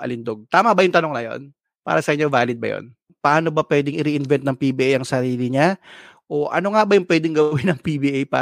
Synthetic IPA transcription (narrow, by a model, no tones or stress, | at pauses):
ʔɐ̰lɪnd̪o̞ɡ̚t̪aːmɐbɐjʊŋt̪ɐnoŋnɐjo̞̰n | pa̰ːɾɐsɐʔɪɲːo̞vaːlɪd̪̚bɐ̰jo̰n | pɐʔaːno̞bɐpwɛd̪ɪŋɪɾiʔɪnvɛnt̪̚nɐŋpibiːʔajɐŋsɐɾiːlɪɲa | ʔoʔɐ̰no̞ŋabɐjʊŋpwɛːd̪ɪŋɡɐwɪnɐŋpibiʔajpa̰ː